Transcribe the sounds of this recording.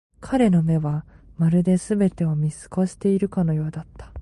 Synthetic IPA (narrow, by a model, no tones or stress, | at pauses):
kʰaɾe̞no̞me̞βamaɾɯ̟d̪e̞sɨbe̞t̪e̞o̞mʲisɨ̥ko̞ɕi̥t̪e̞iɾɯ̟kano̞jo̞ːd̪at̪ːḁ